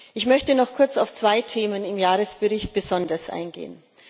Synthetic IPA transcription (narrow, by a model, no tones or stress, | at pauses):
ʔɪçmœçtənɔχkʰʊɐt͡saʊft͡sv̥aɪtʰeːmənɪmjaːʁəsb̥əʁɪçt̚b̥əzɔndɐsʔa̰ɪnɡḛːən